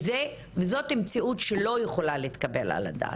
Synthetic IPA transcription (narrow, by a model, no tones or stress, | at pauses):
ze | vezo̞temt͡siutʃelo̞jeχo̞laleːt̪kabe̞la̰la̰da̰ː